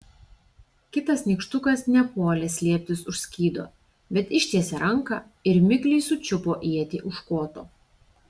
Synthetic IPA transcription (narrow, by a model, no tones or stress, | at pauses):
kʲɪt̪ɐsnʲiːˑkʃt̪ʊkɐsnʲɛpoːlʲɛsʲlʲiɛpʲt̪ʲɪsʊʃʲsʲkʲiːd̪o̰ː | bʲɛt̪ɪʃʲt̪ʲiɛsʲɛɾʔɐŋˑkɐ | ɪɾmʲɪklʲiɪsʊt͡ʃʲʊpoːʔiɛt̪ʲiːʔʊʃkoːt̪oː